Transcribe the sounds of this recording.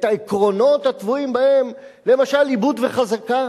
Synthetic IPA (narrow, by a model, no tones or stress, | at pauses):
t̪aekʁo̞no̞t̪hat̪vuimbahe̞m | le̞maʃalibud̪veχazaka